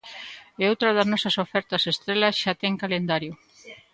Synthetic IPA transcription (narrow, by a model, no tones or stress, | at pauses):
eowt̪ɾɐðɐznɔsɐsofɛɾt̪ɐsest̪ɾelɐsʃat̪ɛŋkalend̪aɾjʊ